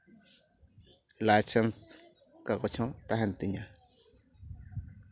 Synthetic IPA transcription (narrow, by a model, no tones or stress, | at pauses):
lat͡ʃans | kakot͡ʃʰõt̪aɦant̪iɲã